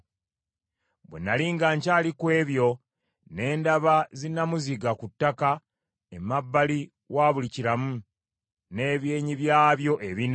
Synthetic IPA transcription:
bwḛnːaliːŋɡaːɲcaːlikwe̞ːβjo̞ | ne̞ːndaβazinamuziɡakutːaka | emabːali | waːβuliciɾamu | ne̞ːβje̞ːɲiβjaːβjo̞ʔe̞βin

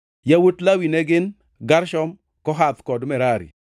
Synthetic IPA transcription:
jawotlawinɛɡɪn | ɡaɾʃɔm | kɔɦat̪kɔdmɛɾaɾḭ

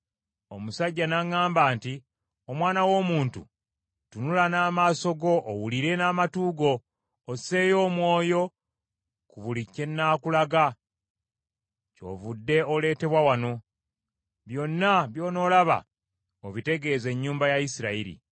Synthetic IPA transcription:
o̞musaɟːanaŋaːmbaːnti | omwaːnawo̞ːmuːntṵ | tunulanaːmaːso̞ɡo̞ʔːwuliɾe̞naːmatuːɡo̞ː | se̞jo̞ːmwo̞ːjo̞ | kuβulicːe̞nːakulaɡa | co̞̰ːvudːe̞ole̞ːte̞βwawano̞ | βjo̞nːaβjo̞ːno̞ːlaβa̰ | oβite̞ɡe̞ːze̞ɲːuːmbajaisiɾaiɾḭ

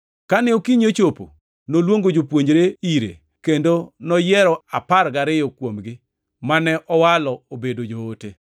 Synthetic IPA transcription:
kanɛokiɲot͡ʃopo̰ | nolwoŋɡod͡ʒopwoɲd͡ʒɾeiɾḛ | kendonɔjɛɾɔaparɡaɾɪjɔkwomɡɪ | manɛʔɔwalɔobedod͡ʒoːte

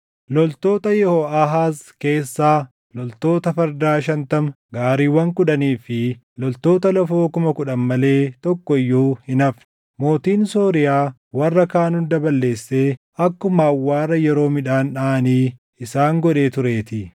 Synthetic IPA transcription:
lɔlt̪o̞ːt̪ɐjɛhoːʔɐɦaːske̞ːsːaː | lɔlt̪o̞ːt̪ɐfɐɾd̪aːʃɐnt̪ɐm | ɡaːɾiːwɐŋkʊᶑɐniːfɪ | lɔlt̪o̞ːt̪ɐlɐfoːkʊmɐkʊᶑɐmmɐle̞ːt̪ɔkːɔɪjːuːhɪnɐf | mo̞ːt̪iːnso̞ːɾɪjaː | wɐrːɐkaːnʊnd̪ɐbɐlːe̞ːsːeː | ɐkːʊmaːwːaːrɐjɛɾo̞ːmɪᶑaːnᶑaːniː | ɪsaːŋɡɔᶑe̞ːt̪ʊɾe̞ːt̪ɪ

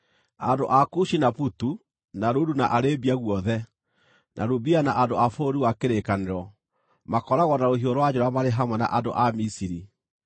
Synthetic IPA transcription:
andoʔakuʃinaputu | naɾodunaʔaɾebiaɣwɔðɛ | nʔa̰ɾubianaʔandoafoɾiwakeɾekaneɾɔ | makɔɾaɣɔnaɾoɦioɾwad͡ʑoɾamaɾeɦamwɛna̰ʔando̰ʔamisiɾi

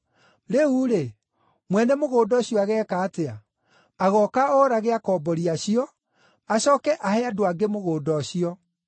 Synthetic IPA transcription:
ɾeuɾe | mwɛnɛmoɣoːdɔɕiɔaɣɛːkaːtea | aɣɔkaɔɾaɣeakɔːbɔɾiaɕijɔ | aɕɔːkɛʔahɛadoaɡemoɣoːdɔɕiɔ

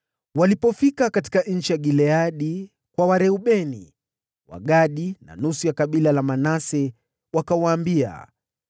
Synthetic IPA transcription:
walipɔfikakati̥kaɲ̩t͡ʃijaɠilɛaɗi | kwawaɾɛuɓɛnḭ | wa̰ɠaɗina̰nusujakaɓilalamanasɛ | wakawaːmbia̰

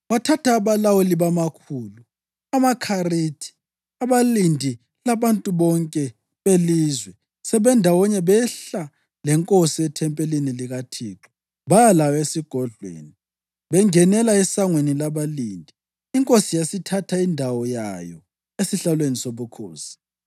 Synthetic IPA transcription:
watʰatʰaːβalawɔliβamakʰuːlu | amakʰaritʰi̥ | aβalindʱi | laβantʼuβɔŋkʼɛ | βeliːzwɛ | sɛβɛndʱawɔɲɛβɛɬa | lɛŋkʼosiɛtʰɛmpʼeliniliɣatʰiːǁɔ̥ | βajalawɔesiɡ̥ʱɔɮwḛːni | βɛŋɛnɛlaɛsaŋwenilaβaliːndʱi | iŋkʼosijasitʰatʰaindʱawɔja̰jɔ | esiɬalwenisoβukʰo̰ːsi̥

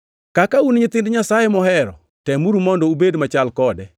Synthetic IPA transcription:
kakaunɲɪt̪ɪndɲasajemɔhɛɾɔ̰ | tɛmuɾumɔndɔubedmat͡ʃalkɔdɛ

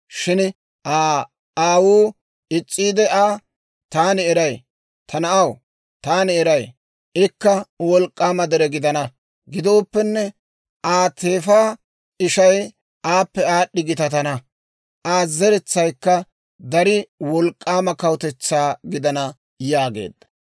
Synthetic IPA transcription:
ʃɪn | ʔaː | aːwuː | ɪt͡sʼːiːd̪ɛʔaː | t̪aːnɪɛɾɐj | t̪ʰɐnɐʔɐw | t̪aːnɪɛɾɐj | ɪkːɐwɔlkʼːaːmɐd̪ɛɾɛɡɪd̪ɐnɐ | ɡɪd̪o̞ːpːɛnːɛ | ʔaːt̪ʰe̞ːfaː | ɪʃɐj | ʔaːpːɛaːɗːɪɡɪt̪ɐt̪ɐnɐ | ʔaːzɛɾɛt͡sːɐjkːɐ | d̪ɐɾɪwɔlkʼːaːmɐkɐwt̪ɛt͡sːaːɡɪd̪ɐnɐ | jaːɡe̞̰ːd̪ːɐ̥

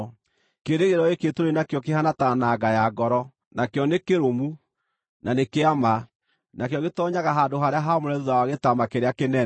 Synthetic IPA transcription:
keɾeɣeɾɔeketoɾenakjɔkehanatanaɡajaɡɔɾɔ | nakjɔnekeɾomu | nanekeama | nakjɔɣetɔːɲaɣaɦaːndoɦaɾeaɦamoɾɛðuðawaɣetamakeɾeakenɛ

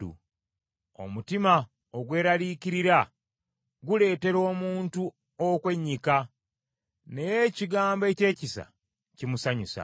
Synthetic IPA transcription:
ṵ | o̞̰mutima | oɡwe̞ːɾaliːciɾiɾa | ɡule̞ːte̞ɾo̞ːmuːntu | okwe̞ɲːika | ne̞je̞ciɡaːmboe̞ce̞ːcisa̰ | cimusaɲusa̰

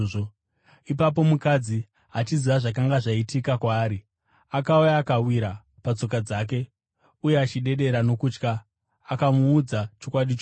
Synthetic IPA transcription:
o | ipap̬o̞mukad͡zi | ɦat͡ʃiziʋaʐak̬aŋɡaʐaitikakwaːɾi | akaujaːkawiɾa | pat͡so̞kad͡zak̬e̞ | ujeat͡ʃiɗe̞ɗe̞ɾano̞kut͡ʃkaː | kamuːd͡zat͡ʃo̞kwaɗit͡ʃo

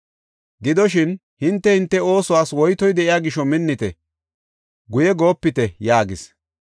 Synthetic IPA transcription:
ɡɪd̪ɔʃɪn | hɪnt̪ːɛhɪnt̪ːɛo̞ːsʊwaːswɔjt̪ɔjd̪ɛʔɪjaːɡɪʃɔmɪnːɪt̪ɛ | ɡʊjɛɡo̞ːpːɪt̪ɛjaːɡɪs

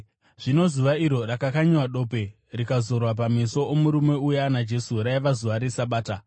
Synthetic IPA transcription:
ʐ̥ino̞zuʋaiɾo̞rakakaɲwaɗo̞ːpe̞ | rikazo̞rwap̬ameso̞ːmuɾume̞ujanad͡ʒe̞suɾaiʋazuʋaɾesaɓaːta

